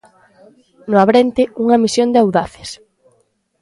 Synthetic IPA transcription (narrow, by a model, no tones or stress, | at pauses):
nʊaβ̞ɾent̪ɪuŋɐmisjond̪eawðaθe̥s